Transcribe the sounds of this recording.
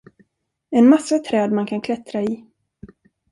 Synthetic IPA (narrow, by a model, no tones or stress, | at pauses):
ɛnmasːat̪ʰɾɛːd̪mankʰankʰlɛt̪ɾaɪ